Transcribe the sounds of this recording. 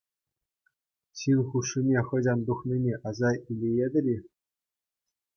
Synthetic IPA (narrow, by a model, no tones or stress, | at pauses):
ɕinχuʂːinʲeχɤ̆d͡ʑʲɑnd̪uχnʲinʲeʔɑzɑilʲejed̪ʲɘ̆ɾʲi